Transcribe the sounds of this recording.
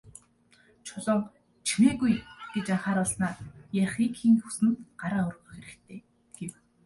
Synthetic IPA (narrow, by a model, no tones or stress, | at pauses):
t͡ɕʰʊɮɞ̆ŋ | t͡ɕʰimeːɣujɡ̥et͡ɕaɴχaːɾʊɮsnaːjaχiːkʰiːŋxu̥sɘ̆nt̪ɢaɾaːʊrɣɵ̆xeɾɘ̆kt̪ʰeː | ɡ̥ew